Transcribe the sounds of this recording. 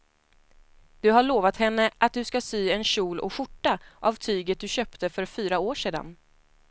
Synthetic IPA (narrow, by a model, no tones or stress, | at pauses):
d̪̥ɵɦaɭoːvat̪hɛnːəʔat̪̚d̪ɵskasyːɛnɕuːlɔ̰ɧʊʈːaʔavt̪ʰyːɡət̪̚d̪ɵɕœːpt̪ʰəfœɾfyːɾaoːʂeːd̪a̰n